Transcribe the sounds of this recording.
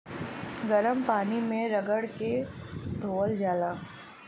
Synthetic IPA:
ɡɐɾəmpaːnimẽɾɐɡəɽke | d̪ʱoːəld͡ʒaːlaː

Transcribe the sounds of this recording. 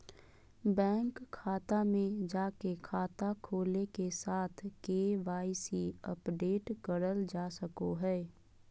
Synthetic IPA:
bɛ̃ːŋkʰːaːt̪amẽd͡ʒaːkekʰaːt̪akʰoːlekesaːt̪ʰkeːʋaːɪsiə̰pɖeːʈkəɾəld͡ʒaːsəkoɦɛː

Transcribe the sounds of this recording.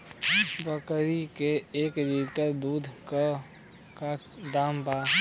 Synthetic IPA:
bəkɾikeeːkd̪iɾkəd̪uːd̪ʱka | ka | d̪aːmbaː

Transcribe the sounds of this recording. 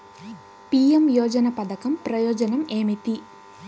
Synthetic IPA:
pijemjoːd͡ʒɐnɐpɐd̪ɐkɐmpɾɐjoːd͡ʒɐnɐmeːmit̪i

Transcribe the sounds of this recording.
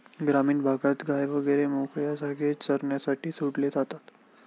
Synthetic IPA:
ɡɾamiːnbʱaɡat̪ɡajʋəɡəɾemokɭjasaɡesəɾɳjasaʈiːsuɽled͡zat̪at̪

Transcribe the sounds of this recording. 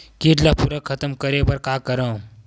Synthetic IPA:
kiʈlɐpuɾɐkʰːɐt̪əmkɐɾebɐɾkaːkəɾə̃

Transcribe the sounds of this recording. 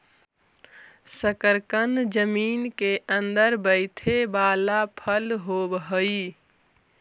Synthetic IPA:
səkəɾkənd͡ʒəmiːnkeʔə̃nd̪əɾbəɪt̪ʰebaːlapʰəlɦoːbɦəi

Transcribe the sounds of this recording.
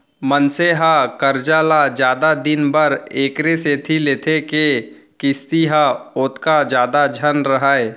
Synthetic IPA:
mənseɦakəɾd͡ʒaːlad͡ʒjaːd̪ad̪ɪnbəɾeːkɾeset̪ʰileːt̪ʰeke | kɪst̪iɦaʊːt̪kad͡ʒjaːd̪ad͡ʒʱənɾəɦaːe

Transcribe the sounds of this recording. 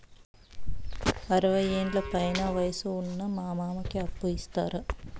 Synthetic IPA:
ɐɾɐʋɐjeːnlɐpɐjɐnɐʋɐjɐsuunːɐmaːmaːmɐkːeɐpːujist̪aɾɨ

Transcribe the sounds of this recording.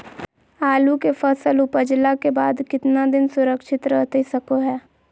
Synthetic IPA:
aːlukepʰəsəlʊpəd͡ʒlakebaːd̪kɪt̪nad̪ɪnsʊɾəkʃɪt̪ɾət̪isəkoɦɛː

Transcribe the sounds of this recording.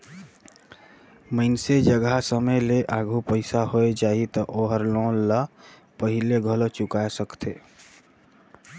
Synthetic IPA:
məɪnsed͡ʒəɡasəməjleʔaɡʱupəɪsaɦoed͡ʒaːɦit̪ɔʔoɦəɾlõnlə | pəɦileɡʱəlot͡ʃʊkasəkt̪ʰe

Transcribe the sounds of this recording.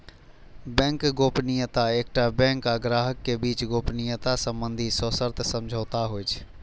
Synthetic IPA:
bɛ̃ːŋkɡoːpnijət̪aeːk̚ʈabɛ̃ːŋkaɡɾaːɦəkːebiːt͡ʃɡoːpnijət̪asə̃mbə̃nd̪ʱisoːsəɾt̪ʰsə̃md͡ʒʱəːt̪aɦoɪt͡ʃʰ

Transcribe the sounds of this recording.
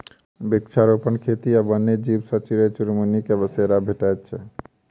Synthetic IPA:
bikt͡ʃʰaɾopənkʰet̪iabənːed͡ʒibsət͡ʃiɾet͡ʃuɾmunikebəseɾabʱeʈajt̪t͡ʃʰɛ

